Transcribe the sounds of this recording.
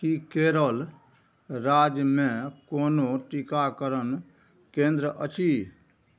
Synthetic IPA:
kikeːɾəl | ɾaːd͡ʒmẽkoːnoʈɪkakəɾən | kẽːnd̪ɾəʔət͡ʃʰiː

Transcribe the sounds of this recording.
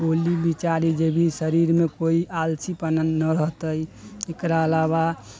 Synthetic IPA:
olibit͡ʃaɾid͡ʒebʱisəɾiɾmekoiʔalsipənanːəɾəɦt̪əjekɾaəlaβa

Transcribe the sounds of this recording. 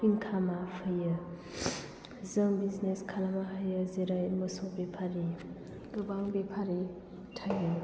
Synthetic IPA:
piŋkʰamapʰəjə | zəŋbizneskʰalamaɦəjəzeɾajmɔsobepʰaɾi | dubaŋbepʰaɾi | tʰajɯ

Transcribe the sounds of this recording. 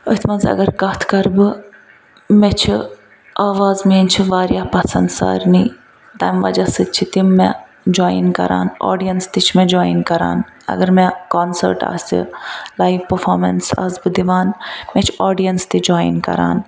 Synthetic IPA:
ət̪ʰmɐnzɐ̰ɡɐɾkɐt̪ʰkɐɾbɨ | met͡ʃʰi | aːʋaːzmeːnt͡ʃʰiʋaːɾjaːpɐsɐnd̪sa̰ːɾniː | t̪ɐːmʋɐd͡ʒɐsɨt͡ʃʰit̪imːe | d͡ʒoːinkɐ̰ɾa̰ːno̰ːɖijɐnst̪it͡ʃʰmẽd͡ʒoːinkɐɾa̰ːnɐ̰ɡɐɾmekoːnsə̰ɾʈa̰ːsḭlaːjʋpɐɾfʰoːɾmḛnsa̰ːsbɨd̪iʋaːnmet͡ʃʰoːɖijɐnst̪id͡ʒoːḭnkɐ̰ɾa̰ːn

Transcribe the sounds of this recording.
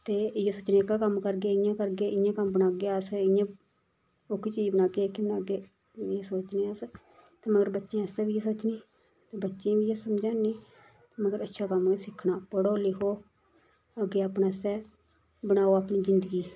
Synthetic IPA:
t̪eːjeːsoːt͡ʃnẽːkaːkəmkəɾɡeːɪjãːkəɾɡeːɪjãːkəmbənaːɡeasɪjãː | okɪt͡ʃiːd͡ʒbənaːɡeːkibənaːɡeː | eːsoːt͡ʃnẽːaːs | t̪eːməɡəɾbətːʃẽːɛsɛːbiːeːsoːt͡ʃniː | t̪eːbətːʃẽːbiːjeːsəmd͡ʒaːniː | t̪eːməɡəɾətːʃʰaːkəmesɪkʰːnaːpəɽoːlɪkʰoː | əɡeːaːpnaːsɛː | bəɽaːoːaːpniːzɪnd̪əɡiː

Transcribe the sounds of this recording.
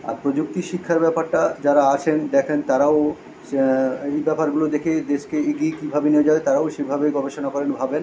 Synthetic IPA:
a̰ɾpɾod͡ʑuk̚t̪iʃikʰːaɾbɛpaɾʈad͡ʑaɾaat͡ɕʰend̪ɛkʰent̪aɾao | ejbɛpaɾɡulod̪ekʰed̪eʃkeeɡikibʱabeneed͡ʑaet̪aɾaoʃebʱabeɡɔbeʃonakɔɾenbʱaben

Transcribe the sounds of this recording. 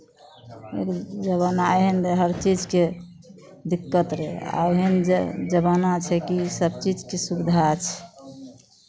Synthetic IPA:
ḛkd͡ʒəβənaeɦɛnd̪eɦəɾt͡ʃid͡ʒke | d̪ikːət̪ɾɛ̰a̰eɦend͡ʒəβanat͡ʃʰɛkisəb̚t͡ʃid͡ʒkesubid̪ʱat͡ʃʰɛ̥

